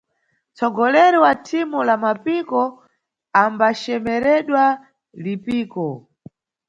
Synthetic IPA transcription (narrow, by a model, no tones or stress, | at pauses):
t͡sɔɡɔlɛɾiwatʰimulamapikɔ | ambaʃɛmɛɾɛɗwa | lipiːkɔ